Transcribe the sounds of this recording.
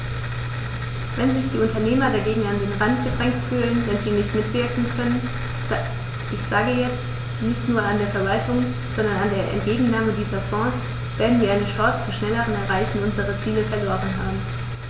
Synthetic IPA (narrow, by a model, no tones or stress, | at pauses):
vɛnzɪçd̥iːʊntɐneːmɐdeːɐɡeːɡŋ̩andeːnʁantɡ̥ədʁɛŋk̚tfyːlənvɛnziːnɪçtmɪtv̥ɪɐkŋ̩kʰœnən | ʔɪçz̥aːɡəjɛt͡st | nɪçtnuːɐandeːɐfɛɐvaltʰʊŋ | z̥ɔndɐnandeːɐʔɛ̰nt̚ɡ̥eːɡŋ̩naːmədiːzɐfɔ̃ːs | v̥eːɐdn̩viːɐʔaɪnəʃɔsət͡suːʃnɛləʁənɛɐʁ̞aɪçn̩ʊnzəʁət͡siːləfɛɐloːʁənɦaːbm̩